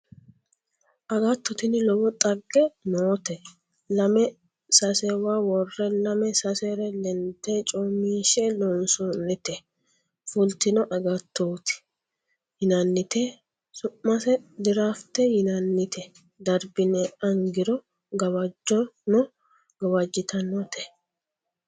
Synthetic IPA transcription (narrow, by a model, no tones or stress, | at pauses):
ʔɐɡɐt̪ːɔt̪ɪnɪlɔbɔt̪ʼɐɡːɛnoːt̪ɛ | lɐmɛ | sɐsɛwaːwɔrːɛlɐmɛsɐsɛɾɛlɛnt̪ːeːt͡ʃʼoːmːiːʃɛlɔnsɔnːɪt̪ɛ | fʊlt̪ɪnɔʔɐɡɐt̪ʰːoːt̪ɪ̥ | hɪnɐnːɪt̪e | sʊmːɐsɛd̪ɪɾaːft̪ːɛjɪnɐnːɪt̪ʰɛ | d̪ɐɾbɪnɛɐŋɡɪɾɔ | ɡɐwɐd͡ʒːɔnɔ | ɡɐwɐd͡ʒːɪt̪ʰɐnɔt̪ʰɛ̥